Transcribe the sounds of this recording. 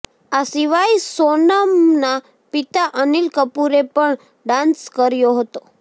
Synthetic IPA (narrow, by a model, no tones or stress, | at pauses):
asiʋaisonamna | pit̪aʔənilkəpuɾepəɳ | ɖãnskəɾjoɦət̪o